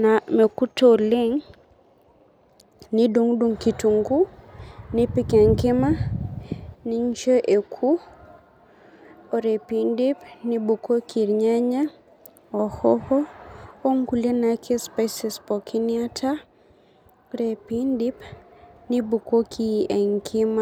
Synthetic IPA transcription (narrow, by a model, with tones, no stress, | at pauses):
na˨me˨ku˦to˦lɪ˦ŋ | nɪ˦do˦ŋdo˨ŋki˨tu˨ŋɡu˦nɪ˦pi˦kɛ˨ŋkɪ˦ma˦ | nɪ˦ɲt͡ʃə˦ʔe˨kʰu˦ | o˦ɾe˨pi˦ndi˦pnɪ˦bu˨ko˦ki˨ɾɲa˦ɲa˦ | ɔ˨hɔ˦hɔ˦o˦ŋɡu˨le˦na˨kʰe˦spa˦sɪ˨spɔ˨kʰi˦nɪa˦tʰa˦ | o˦ɾe˨pi˦ndɪ˦pnɪ˦bu˨ko˦kʰi˦ɛ˨ŋkʰɪ˦ma˦